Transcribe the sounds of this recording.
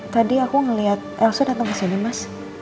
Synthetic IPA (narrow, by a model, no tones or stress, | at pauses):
t̪adiakuŋəliat̪̚ʔɛlsodat̪əŋkəsinimas